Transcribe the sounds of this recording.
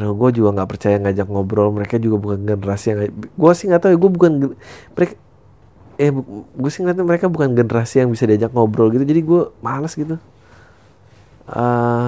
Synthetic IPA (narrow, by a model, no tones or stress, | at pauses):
naɡuad͡ʒuɡaŋɡaʔpərt͡ʃajaŋad͡ʒaknɔbɾɔlməɾekad͡ʒuɡabukanɡənəɾasijaŋɡuasɪhŋɡat̪auɡuabukanɡməɾeka | jaɡuasɪhŋat̪aməɾekabukanɡənəɾasijaŋbisadiad͡ʒak̚ŋɔbɾɔlɡit̪ud͡ʒadiɡuamalasɡit̪̬u | ə